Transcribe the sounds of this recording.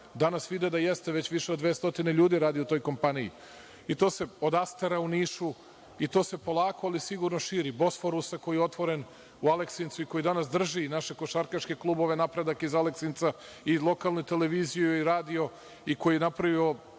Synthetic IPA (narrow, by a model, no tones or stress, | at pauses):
d̪anasʋid̪ed̪ajest̪eʋet͡ɕʋiʃeod̪ʋest̪o̞t̪ineʎuːd̪iɾaːd̪iot̪o̞ːjko̞mpanijḭ | it̪o̞ːse̞od̪ast̪eɾauniːʃu | it̪o̞ːse̞po̞lˠaːkoalisiɡuɾnoʃiːɾibo̞sfoɾusako̞jijeo̞t̪ʋo̞ɾen | ualeksint̪suiko̞jid̪anasd̪r̩ʒinaʃe̞ko̞ʃaɾkaʃkeklˠubo̞ʋenapɾe̞d̪akizaleksint̪sa | ilˠo̞kalˠnut̪e̞leʋiːzijuuiɾaːd̪io̞ | iko̞jijenapɾaʋio̞